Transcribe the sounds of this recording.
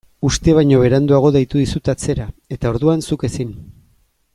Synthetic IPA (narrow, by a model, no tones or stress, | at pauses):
ust̪e̞β̞ajɲo̞βe̞ɾand̪uaɣ̞o̞ðejt̪uð̞isut̪at͡se̞ɾae̞t̪ao̞ɾðuansuke̞sin